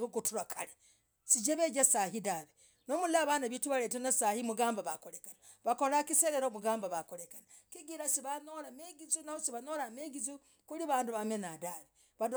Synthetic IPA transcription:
uɡutuɾakʰale | siɟeβeːd͡ʒasaɦidaβe | nomulaβanaβituβaleːtanasahimuɡaːmbaβakolekana | βakolakiseɾeɾomuɡaːmbaβakoɾekana | kiɡiɾasiβanolameɡizunahosiβanolameɡizu | kuliβaːnduβamenadaːβe | βad

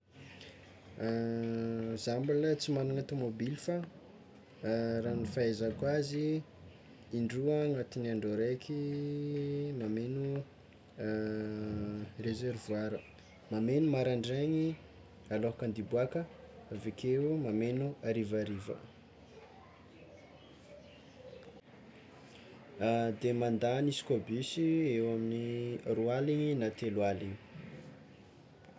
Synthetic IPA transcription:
zambalət͡simanaŋat̪umobilifa | ranifaezakwazi | iɳɖ͡ʐuaŋat̪inaɳɖ͡ʐoɾajkʰi | mamenu | rezervuaɾə | mamenumaɾaɳɖ͡ʐeɲi | aloɦkand̪ibuakə | vekʰeumamenuaɾivaɾivə̰ | d̪emand̪anisi̥kʲobisiewaminirualiɲinat̪elwaliɲi̥

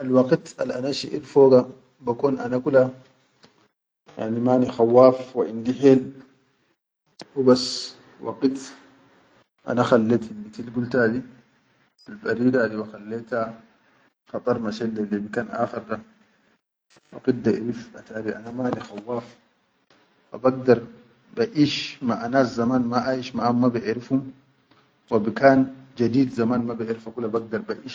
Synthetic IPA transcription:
ʔalwɑqʼit̪a̰lʔanaʃḭʔḭɾfoːɡa | bakoːnʔanakula | ja̰ʕnimanixawːaːfwaʕind̪iħeːl | hubasː | wa̰qit̪ | ʔa̰naxalːet̪inːit̪ilɡult̪ad̪i | albaɾiːɡad̪iwaxalːeːt̪ha | xɑt̪ˤʼɑɾˤmaʃɛlːɛlebikaːnʔa̰ːxɪɾd̪a | wɑ̰qit̪̚d̪aʔḭɾifʔat̪aːɾiʔa̰namalixawːaːf | ʔa̰baɡ̚d̪aɾˤ | baʔiʃmaʔanaːszamaːnmaʔajiʃmaʔamːabɪʔɪɾifum | wabikaːnd͡ʒad̪iːd̪zamaːnmabiʔɪɾfakulabaɡ̚d̪aɾbaʔiʃ

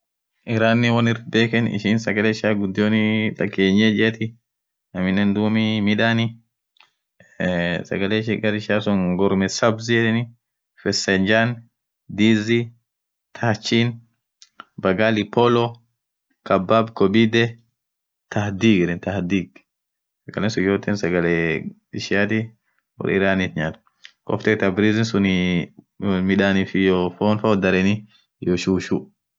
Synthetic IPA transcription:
ʔɪɾaːnːɪwɐnɪɾbeːkɛnɪ̰ʃiːnsɐɡɐleːʃaːɡʊd̪ːɪjoːnɪᶑ̪ɐkːeːɲːeːd͡ʒɪt̪ɪ | nɐmɪnːɛnd̪uːmimɪᶑaːnɪ | sɐ̰ɡɐleːʃiɡɐɾɪʃaːsɔŋɡɔɾmɛsɐbziɛdɪnɪ | fɛsɛnd͡ʒaːn | d̪iːzi | t̪ʰɐt͡ʃːin | bɐɡalɪpɔlɔ | kɐbːabkɔbid̪ɛ | t̪ɐhd̪iːɡɛɾɛnt̪ɐhd̪iːɡ | sɐɡɐlɛnsʊjoːt̪ɛnsɐɡɐlɛ | ɪʃɪjat̪ɪ | wɔ̰ɾɪ̰ɾaːnit̪ɲaːt̪ | kɔ̰ft̪ɛkt̪abɾizɪnsʊni | mɪᶑaːnɪfɪjofoːnfɐɔd̪ɐɾɛnɪ | joʃuːʃu

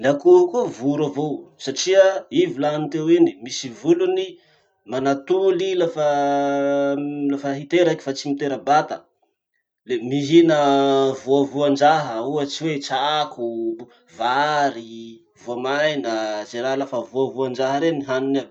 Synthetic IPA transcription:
lakukuvuɾavowsaʈ͡ʂiəivilanit̪ewinimisivuluni | manat̪ulilafə | lafəɦit̪eɾakʲi̥fat͡simit̪eɾəbat̪ə | lemiɦinəvuavuand͡ʒaɦəuət͡siwet͡saku | vaɾi | vuamajnəzeɾalafəvuavuand͡ʒaɦəɾeniɦanina

